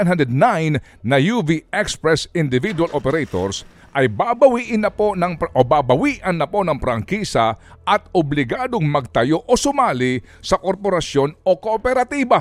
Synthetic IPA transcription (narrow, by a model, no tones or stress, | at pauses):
nɦand̪ɛd̪̚najnː | ɐjuviɛkspɾɛsɪnd̪ɪvid̪wɐlʔopɛɾɛjt̪o̰ɾs | ʔɐjbabɐwiːʔɪnɐpo̞nɐŋʔobabɐwiːʔɐnːɐpo̞nɐŋpɾɐŋkiːsɐʔɐt̪̚ʊblɪɡaːd̪oŋmɐɡ̚t̪ɐjo̞ʔosʊmaːlɪ | sɐkoɾpoɾɐsjo̞no̞koʔopɛɾɐt̪iːbɐ